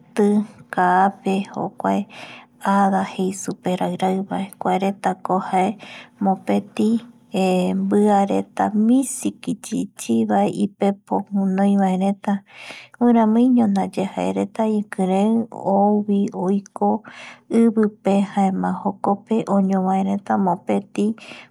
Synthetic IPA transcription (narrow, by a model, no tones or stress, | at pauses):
t̪ɨkaːpeho̰kʷa̰eaðahejsupeɾaɨɾaβaekʷaeɾet̪akohaemõpet̪ĩ | embɨaɾet̪amĩsikit͡ʃit͡ʃiβaeʔipepohũnõj̃βaeɾẽt̪ahɨ̃ɾ̃ãmɨ̃ɲõnãd͡ʒehaḛɾet̪aĩkɨ̃ɾẽoβiojkoɨβɨpehaẽmãhokope̞ʔõɲõβaeɾẽt̪amõpet̪i